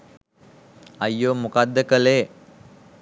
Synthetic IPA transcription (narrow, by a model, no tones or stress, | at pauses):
ɐjːoːmukad̪ːəkəleː